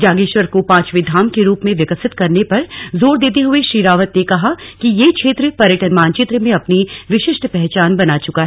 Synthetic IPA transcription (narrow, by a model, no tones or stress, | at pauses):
d͡ʒaːɡeːʃwəɾkopãːt͡ʃʋɪd̪ʱaːmkeɾuːpmẽʋɪkəsɪt̪kɐɾnepɐɾzoːɾd̪eːt̪̬eɦʊeʃɾiːɾaːʋət̪nekɐɦakijekʃʰeːt̪ɾəpɐɾjəʈənmaːnt͡ʃɪt̪ɾəmẽɐpniʋɪʃɪʃʈpɛɦt͡ʃaːnbɐnaːt͡ʃʊkaɦɛ